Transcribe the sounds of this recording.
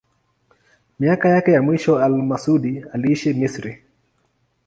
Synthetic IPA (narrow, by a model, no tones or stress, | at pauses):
miakajakɛjamwiʃɔalmasuɗialiiʃimisɾi